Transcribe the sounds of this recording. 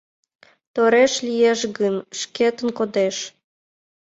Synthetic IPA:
t̪oɾeʃlijeʃɣənʃket̪ənkod̪eʃ

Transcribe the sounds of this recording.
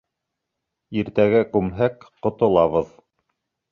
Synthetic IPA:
iɾt̪æɡækʉmɦækqŏt̪ŏlˠɑβɤð

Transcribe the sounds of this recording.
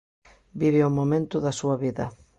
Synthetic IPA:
biβɪomomẽnt̪ʊðɐsuɐβiðɐ

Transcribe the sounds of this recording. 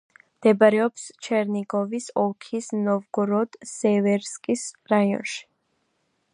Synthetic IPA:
md̪̥ɛbaɾɛɔpst͡ʃʰɛɾniɡɔvisɔkʰisnɔvɡuɾɔd̪̥sɛvɛɾskʼisɾaiɔ̰nʃi̥

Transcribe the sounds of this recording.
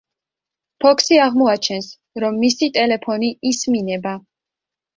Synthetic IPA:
pʰɔkʰsiaʁmɔat͡ʃʰɛns | ɾɔmːisit̪ʼɛlɛpʰɔniisminɛba

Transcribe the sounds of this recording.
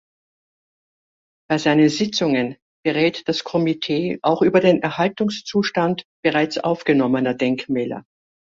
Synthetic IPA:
b̥aɪzaɪnənzɪt͡sʊŋən | b̥əʁɛːtd̥askʰɔmitʰeːʔa̰ʊxʔyːbɐdeːnɛɐhaltʊŋst͡suːʃtantb̥əʁaɪt͡sʔa̰ʊfɡ̥ənɔmənɐdɛŋkmɛːlɐ̰

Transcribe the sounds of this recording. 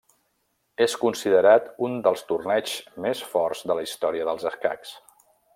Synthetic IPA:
eskunsiðəɾat̪und̪əlˠst̪urnɛt͡ʃmesfɔrzd̪ələist̪ɔɾiəðəlˠzəska̰ks

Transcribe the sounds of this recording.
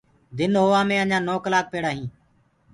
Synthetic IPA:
d̪ɪnɦoːãːmẽːəɲãːnoːkəlaːk̚peːɽaːɦĩː

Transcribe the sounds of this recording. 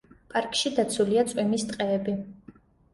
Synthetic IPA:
pʼaɾkʼʃid̪at̪sʰuliat̪sʼwimist̪ʼqʼɛːbi

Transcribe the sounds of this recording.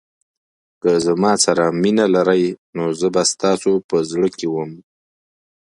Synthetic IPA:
kəzamɑsaɾaminalaɾajnozəbast̪ɑsopəzɽəkewəm

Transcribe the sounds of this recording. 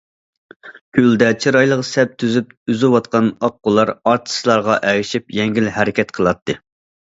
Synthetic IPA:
kʰʲyld̪ɛt͡ʃʰiɾɑjlˠəʁsɛp̚t̪ʰyzyp̚yzɪwɑt̪qɑnɑqːʊlˠɑɾɑɾt̪ʰɨ̥slˠɑɾʁɑʔɛwiʃipjɛŋɡʲilhɛɾɪkʲɛt̪qʰəlˠɑt̪ʰːɨ

